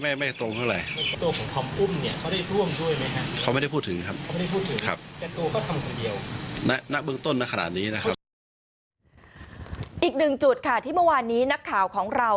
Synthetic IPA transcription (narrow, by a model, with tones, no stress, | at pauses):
a˥˩ma˥˩t̪ɾo˧ŋt̪ʰa˥˩ɾa˧jt̪u˧əkʰɔː˩˦ŋt̪ʰɔ˧mʔu˥˩mni˥˩ɐkʰa˥˩wdaː˥˩jɾu˥˩əmdu˥˩əjma˦˥jkʰa˦˥ʔkʰa˦˥ma˥˩jda˥˩pʰuː˥˩t̪ʰːɯ˩˦ŋkʰa˦˥p̚ma˥˩˨a˥˩jpʰuː˥˩t̪ʰːɯ˩˦kŋʰa˦˥p̚t̪ɛ˨˩t̪u˧əkʰa˥˩t̪ʰa˧mkʰo˧ndi˧əwna˦˥na˦˥ʔ̚bɯ˥˧əŋt̪o˥˩nːa˦˥ka˧na̰˨˩t̪̚niː˦˥na˦˥kʰa˦p̚ | ʔiː˨˩k̚nɯ˨˩ŋt͡ɕu˨˩t̪̚kʰa˥˩t̪ʰiː˥˩mɤ˥˩waː˧nːiː˦˥na˦˥kʰːaː˨˩wkʰɔː˩˦ŋɾa˧w